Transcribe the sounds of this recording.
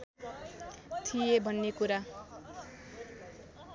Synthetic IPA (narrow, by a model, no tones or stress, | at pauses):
t̪ʰijebʱʌnːekuɾa